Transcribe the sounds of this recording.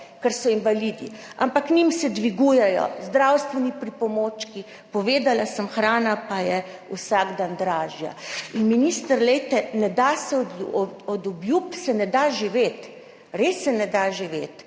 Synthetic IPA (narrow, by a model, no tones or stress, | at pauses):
kɛɾsɔinʋalid̪ḭa̰mpaknimsɛd̪ʋiɡujɛjɔ̰zd̪ɾawst̪ʋɛnipɾipɔmoːt͡ʃki | pɔʋeːd̪alasəmxɾaːnapajɛ | usaɡd̪and̪ɾaːʒja̰inminiːst̪əɾlɛjt̪ɛnɛd̪asɛɔd̪ɔɔd̪ɔbjupsɛnɛd̪aʒiʋet̪ | ɾesːɛnɛd̪aʒiʋeːt̪